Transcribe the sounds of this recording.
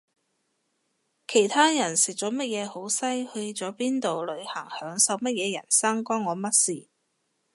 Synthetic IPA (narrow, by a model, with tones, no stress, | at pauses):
kʰe˨˩jt̪ʰaː˥jɐ˨˩nsɪ˨˩k̚t͡sɔː˨˥mɐ˥t̚jɛː˨˧ho˨˥wsɐ˥jhɵ˧ɥt͡sɔː˨˥piː˥nt̪o˨wlɵ˨˧ɥhɐ˨˩ŋhœː˨˥ŋsɐ˨˧wmɐ˥t̚jɛː˨˧jɐ̰˨˩nsɐ˥ŋkɔː˥ŋːɔː˨˧mɐ˥t̚siː˨